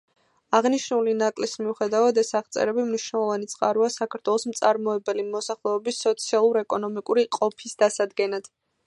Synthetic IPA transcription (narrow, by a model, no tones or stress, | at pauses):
aʁniʃnulinakʼlismiuχɛd̪avad̪ɛsaʁt̪sʼɛ̰ɾɛbimniʃnɛlˠɔvanit̪sʼqʼaɾuasakʰaɾt̪ʰwɛlˠɔsm̩t̪sʼaɾmɔɛbɛlimɔsaχlˠɛɔbisːɔt̪sʰialˠuɾɛkʼɔnɔmikʼuɾiqʼɔpʰisd̪asad̪ɡɛnad̪̥